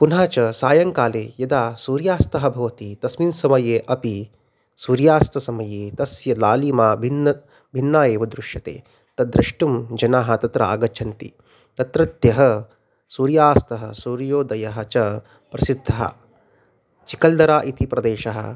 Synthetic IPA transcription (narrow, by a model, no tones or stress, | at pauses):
punɦaːt͡ʃɐsaːjɐŋkaːleːjɐd̪aːsuːɾjaːst̪ɐɦɐbʱɐʋɐt̪it̪ɐsminsɐmɐjeːʔɐpi | suːɾjaːst̪ɐsɐmɐjeːt̪ɐsjɐlaːliːmaːbʱinːɐ | bʱinːaːjeːʋɐd̪ɾuʃjɐt̪ḛː | t̪ɐd̪ɾɐʂʈumd͡ʒɐnaːɦɐ̆t̪ɐt̪ɾɐa̰ːɡɐt͡ʃʰɐnt̪ḭ | t̪ɐt̪ɾɐt̪jɐɦɐ | suːɾjaːst̪ɐɦɐsuːɾjoːd̪ɐjɐɦɐt͡ʃɐ | pɾɐsid̪ʱːɐɦɐ̰ | t͡ʃikɐld̪ɐɾaːʔit̪ʰipɾɐd̪eːʃɐɦɐ̰̆